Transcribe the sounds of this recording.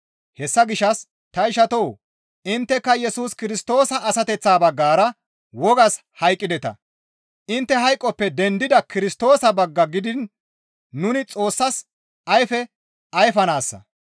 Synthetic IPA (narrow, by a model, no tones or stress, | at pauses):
hɛsːɐɡɪʃːɐs | t̪ɐɪʃɐt̪ow | ɪnt̪ːɛkːɐjɛsuːskɪɾɪst̪o̞ːsɐʔːsɐt̪ɛt͡sːaːbɐɡːaːɾɐ | wɔɡɐs | hɐjkʼːɪd̪ɛt̪ɐ̰ | ʔɪnt̪ːɛɦɐjkʼːɔpːɛd̪ɛnd̪ɪd̪ɐkɪɾɪst̪o̞ːsɐbɐɡːɐɡɪd̪ɪnː | ʊnɪt͡sʼo̞ːsːɐs | ɐjfɛ | ɐjfɐnaːsːɐ̰